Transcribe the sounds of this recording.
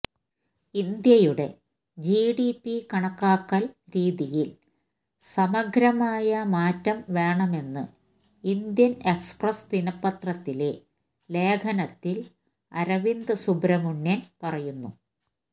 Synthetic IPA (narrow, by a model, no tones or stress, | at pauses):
ind̪jɐjuɽe̞̰ | d͡ʑiːɽipːikɐɳɐkːaːkːɐlɾiːðijil | sɐmɐɡʱɾɐmaːjɐmaːtːɐmʋe̞ːɳɐme̞nːɨ̰ | ind̪jɐne̞ksprɐst̪inɐpːɐt̪rɐt̪ːile̞ | le̞ːkʰɐnɐt̪ːil | ɐ̰ɾɐʋind̪ɨsubɾɐmuɳːɐnpɐrɐjunːu